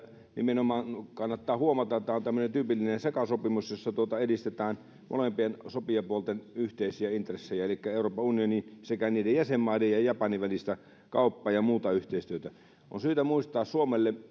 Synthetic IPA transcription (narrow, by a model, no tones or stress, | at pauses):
nḭmenomɑːnkɑnːɑt̪ːɑːhuomɑt̪ɑet̪ːæont̪æmːønent̪yːpilːinensekɑsopimusjosːɑt̪uot̪ɑedist̪et̪æːn | mo̰lempiensopiɑpuolt̪enyht̪eˑisiæint̪resːejæelikːæeˑuroːpːɑunijonisekæniːdejjæsemːɑˑidejjɑjɑpɑniʋælist̪æ | kɑ̰ˑupːɑːjɑmuːt̪ɑyht̪eˑist̪yøt̪æ | o̰nsyːt̪æmuist̪ɑːssuomelːe